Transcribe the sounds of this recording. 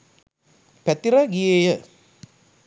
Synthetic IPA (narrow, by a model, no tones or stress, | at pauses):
pæt̪iɾaɡijejə